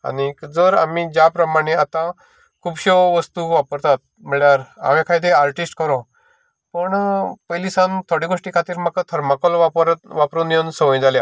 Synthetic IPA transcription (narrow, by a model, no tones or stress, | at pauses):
a̰ɽid͡zəɾa̰mid͡ʑapɾəmaɽ̃eat̪ã | kʰuːbɕeʋəst̪uʋapəɾt̪at̪̚ | məɭjaɾa̰mẽkʰajd̪eaɾʈisʈkəɾõ | pəɳpəjlisãnt̪ʰoɽĩːɡoʂʈiːkʰat̪iːɾmakat̪ʰəɾmakɔlʋaɾʋapɾunjonsəʋə̃j̃d͡zalja